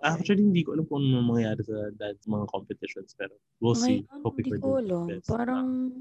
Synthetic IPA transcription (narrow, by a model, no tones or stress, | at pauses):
ʔak̚t͡ʃʊɐlihɪnd̪iːkoʔɐlamkoʔnmɐŋjaːɾɪsɐd̪asɐmɐŋakompɛt̪ɪʃonspɛːɾo | wɪlsipokɪk̪ɐdoloɛspaɾɐŋ